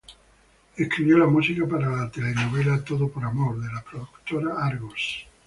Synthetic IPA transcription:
ehkɾiβjolamusikapaɾalat̪elenoβ̞elat̪oðopoɾamoɾðelapɾoðukt̪oɾaaɾɣos

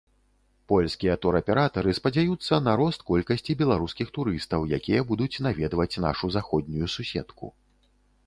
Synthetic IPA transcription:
pɔlʲskʲijɐt̪ɔɾɐpʲɛɾat̪ɐɾɨspɐd͡zʲajut̪sːɐnaɾɔst̪̚kɔlʲkɐsʲt͡sʲibʲɛlˠaɾuskʲixt̪uɾɨst̪ɐwjakʲijɐbud̪ut͡sʲnavʲɛd̪vɐt͡sʲna̰ʂuzaxɔd̪ʲnʲujususʲɛ̰t̪kṵ

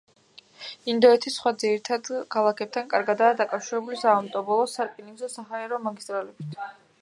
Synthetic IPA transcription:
ind̪ɔɛt̪ʰisχwad̪ziɾit̪ʰad̪kʰalˠakʰɛp̚t̪ʰankʼaɾɡad̪aːd̪akʼafʃiɾɛbulizaɔnt̪ʼɔbɔlˠɔsaɾkʼiniɡzɔsaɦaɛɾɔmaɡist̪ʼɾalɛbit̪ʰ

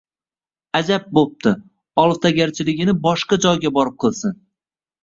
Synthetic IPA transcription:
ad͡ʒap̚bop̚t̪ʰɪ | ɒlˠft̪ʰaɡʲaɾt͡ʃʰɪlɪɡʲɪnɪbɒʃqɑad͡ʒɒjɡʲabɒɾɪp̚qʰɨlˠsɪn

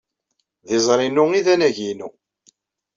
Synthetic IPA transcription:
ðɪzˤɾˤinʊiðænæʝinu

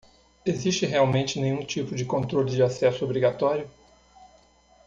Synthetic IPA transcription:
eziʃt͡ʃɪɦeawmẽnt͡ʃɪnẽj̃ũt͡ʃipʊd͡ʒɪkõnt̪ɾolɪd͡ʒɪasɛsʊobɾiɡat̪ɔɾjʊ

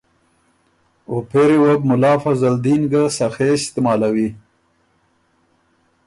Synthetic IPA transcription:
opeɾewab̚mʊlɑːfazald̪inɡasaxeɪst̪ɪmɑlawi

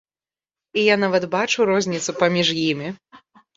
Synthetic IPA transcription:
ijanavɐt̪bat͡ʂuɾɔzʲnʲit̪supɐmʲiʐjimʲi

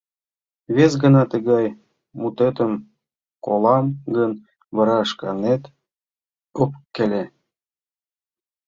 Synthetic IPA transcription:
βezɡə̆nɑt̪əɣɑj | mut̪et̪əm | kolɑmɡən | βɤ̆ɾɑəʃkɑnet̪ | opkːɘlʲe

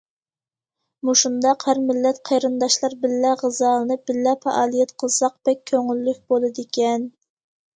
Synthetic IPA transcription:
muʃund̪ɑqhæɾmɪlːɛt̪qʰejɾɨnd̪ɑʃlˠɑɾbɪlːɛʁəzɑlnɨbɪlːɛfɑ̰ʔɑːlˠijɛt̪qʰəlˠsɑq̚b̥ɛk̚ʲʰːøŋylːykʲbolˠɨd̪ɪkʲɛn

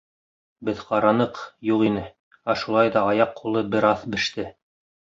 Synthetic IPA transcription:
bɘðqɑɾɑnɤqjuʁinɘ | æʃulˠɑjðɑːjɑqʰːulˠɤbɘɾɑθbɘ̆ʃt̪ɘ

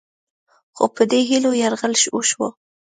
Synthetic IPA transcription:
xo̰pəd̪eɦilojaɾɣəlʃoʃwo̰

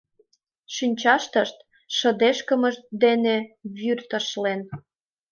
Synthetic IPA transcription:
ʃynʲt͡ɕɑʃt̪əʃt̪̚ | ʃə̆d̪eʃkə̆mə̆ʃt̪̚d̪eneβyrt̪ə̆ʃlen

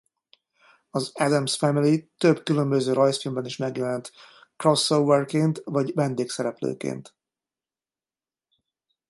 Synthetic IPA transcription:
ɒzɛd̪ɛmsfɛmilit̪øbkylø̞mbøzøːɾɒjsfilmbɛniʃmɛɡjɛlɛnt̪krosːowːɛrkeːnt̪vɒɟvɛnd̪eːksɛɾɛplø̰ːkḛːnt̪

